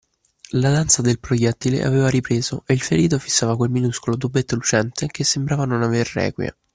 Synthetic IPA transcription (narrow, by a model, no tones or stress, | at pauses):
lad̪ant̪sad̪elpɾojɛt̪ːilḛʔa̰veːvaɾipɾeːzoʔeilfeɾiːt̪̬ofisːaːvakwelminuskolot̪̬ubːet̪ːolut͡ʃɛnt̪ʰek̟esːembɾaːvanonaverːɛ̰ːkwja̰